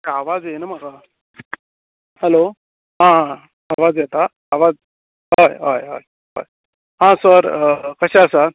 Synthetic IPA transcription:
kaʋad͡zjenaməɡa | hɛlo | ɦãɦãː | ʋad͡zjet̪aː | ʋad͡z | ɦojɦəjɦo̰j | ɦo̰j | ɦãsəɾkəɕaəsa

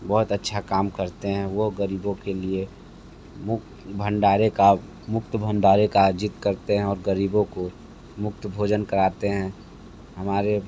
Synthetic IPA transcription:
bɔːʊt̪ətːʃʰakaːmkəɾt̪eɦɛ̃ʋoɦɡəɾiːbõkelie | mʊk | bʱə̃ɳɖaːɾeka | mʊk̚t̪əbʱə̃ɳɖaːɾekad͡ʒɪt̪kəɾt̪eɦɛ̃ɔːɾɡəɾiːbõko | mʊk̚t̪əbʱoːd͡ʒənkəɾaːt̪eɦɛ̃ | ɦɐmaːɾe

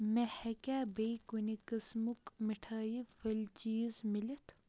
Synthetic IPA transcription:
mehɐkʲaːbejkunikɐsmukmiʈʰaːjifɐlt͡ʃiːzmilɐt̪ʰ

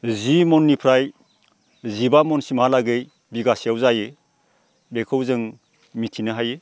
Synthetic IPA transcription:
zimɔnːipʰɾaj | zibamɔnsimalaɡej | biɡasiawzaje | bekʰɯwzɯŋ | mitʰinɯɦaje

